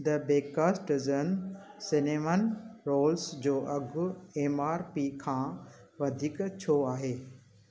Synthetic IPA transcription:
d̪ɐbeːkaːsʈɪzənsɪneːmənɾoːlsd͡ʑoːʔɐɡʊeːmaːɾpiːkʰãːʋɐd̪ʱiːkt͡ɕʰoːaːɦeː

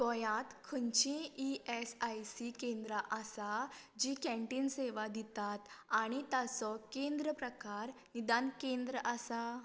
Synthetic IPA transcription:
t̪ɔjãt̪kʰəɲt͡ɕẽiesajsikẽnd̪ɾaʔasad͡ʑikɛ̃ɳʈinseʋad̪it̪at̪aɽ̃it̪asɔkẽnd̪ɾəpɾəkaɾ | nid̪ankẽnd̪ɾəʔasa

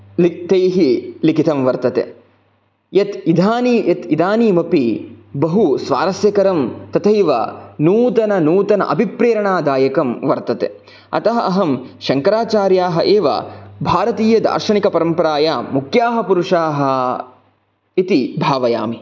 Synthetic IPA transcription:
lit̪ejɦilikit̪ɐmʋɐɾt̪ɐt̪ḛ | jɐt̪id̪ʱaːnijɐt̪id̪ʱaːniːmɐpibɐɦusʋaːɾɐsjɐkɐɾɐmt̪ɐt̪ʰɐjʋɐ̰nuːt̪ɐnɐnuːt̪ɐnɐ̰ʔɐbʱipɾeːɾɐɳaːd̪aːjɐkɐmʋɐɾt̪ɐt̪ḛ | ɐ̰t̪ɐɦɐʔɐɦɐmʃɐŋkɐɾaːt͡ʃaːɾjaːɦɐʔeːʋɐ̰bʱaːɾɐt̪iːjɐd̪a̰ːɾʃɐɳikɐpɐɾɐmpɐɾaːjaːmukʰjaːɦɐpuɾuʂaːɦɐ | it̪ibʱaːʋɐja̰ːmi

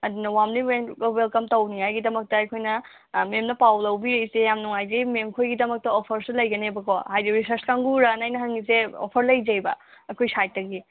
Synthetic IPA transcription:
ɐdunɐwamniweɡɐwelkɐmtɐwniŋɦajɡidɐmɐk̚tɐːjkʰojnɐ | memnɐpawlɐwbiɾejsejamnuŋajzememkʰojɡidɐmɐk̚tɐopʰɐɾsilɐjɡɐnebɐkʰohajdiɾisɐɾskaŋɡuɾanajnɐɦɐŋiseo̰pʰɐɾlɐjzɐjbɐ̰ɐkʰojsaj̚tːɐɡi

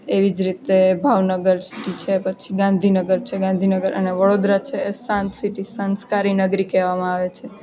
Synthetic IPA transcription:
eʋid͡ʒɾit̪ebʱaʋnəɡəɾsi̥ʈit͡ʃʰepət͡ʃʰiɡãnd̪ʱinəɡəɾt͡ʃʰeɡãnd̪ʱinəɡəɾʔə̰neʋəɽod̪ɾat͡ʃʰeːsãnt̪siʈisənskaɾinəɡɾikeʋamãaʋet͡ʃʰe

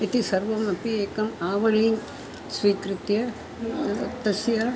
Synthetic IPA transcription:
it̪isɐɾʋɐmɐpːieːkɐmaːʋɐɭiŋɡ | sʋiːkɾɯt̪jɐ | t̪ːɐsjɐ

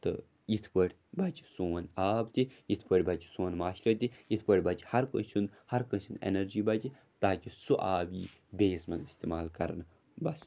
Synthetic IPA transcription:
t̪ɨ̰ | it̪ʰpəɽʲ | bɐt͡ʃi̥suːɐnaːbt̪iit̪ʰpəɽʲbɐt͡ʃi̥sũːnmaːʃlɐt̪ʲiit̪ʰpəɽʲbɐt͡ʃhɐɾkə̰nt͡ʃʰunhɐɾkənsinḛnɐɾd͡ʒiːbɐt͡ʃi | t̪aːkisuʔaːbiː | beːsmɐnist̪eːmaːlkɐɾn | bɐs

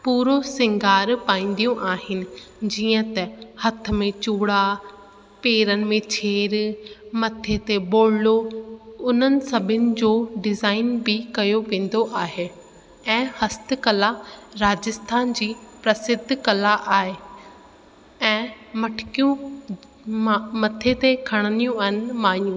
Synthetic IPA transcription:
puːɾosɪ̃ŋɡʱaːɾpaːĩːn̆d̪ijũʔaːɦɪnɪ̆d͡ʑiːə̃t̪ɐhɐt̪̆ʰmẽt͡ɕuːɽa | peːɾənɪ̆mẽt͡ɕʰeːɾmɐt̪ʰet̪eboːɽloʊn̤ənɪ̆sɐbʱɪnɪ̆d͡ʑoːɖɪzaːɪnbɪkɐjoʋẽːn̆d̪oʔaːɦe | ɛ̃ːhɐst̪ɪ̆kɐlaɾaːd͡ʑɪst̪ʰaːnd͡ʑiːpɾɐsɪd̪ʱkɐlaʔaːɦe | ɛ̃ː | mɐʈʰɪ̥kijũ | mɐt̪ʰet̪ekʰɐɽ̃ənijũɐɦɪnmaːnijũː

